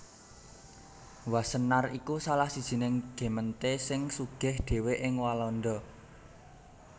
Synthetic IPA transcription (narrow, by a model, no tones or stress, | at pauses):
wasənarikusalahsid̥ʒ̥i̤nɪŋɡ̥e̤mənt̪esɪŋsuɡ̥ɛ̤hd̪̥e̤weʔɪŋwalɔnd̪ɔ